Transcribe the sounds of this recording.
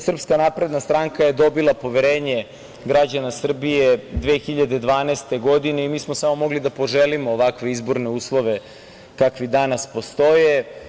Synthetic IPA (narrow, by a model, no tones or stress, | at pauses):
sr̩pskanapɾe̞d̪nast̪ɾaŋkaje̞d̪o̞bilˠapo̞ʋeɾeːɲe | ɡɾad͡ʑanasr̩bijed̪ʋeːxiʎad̪e̞d̪ʋaːnest̪e̞ɡo̞d̪ine̞imiːsmosamo̞mo̞ɡlid̪apo̞ʒelimoːʋakʋeizbo̞ɾne̞uːslˠo̞ʋe̞ | kakʋid̪anaspo̞st̪o̞je